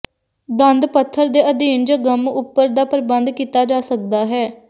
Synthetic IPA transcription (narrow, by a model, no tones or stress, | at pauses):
d̪ə̃nd̪pət̪ʰːəɾd̪eːʔəd̪iːnd͡ʒəɡəmʊpːəɾd̪aːpəɾbənd̪kiːt̪aːd͡ʒaːsək̚d̪aːɦɛː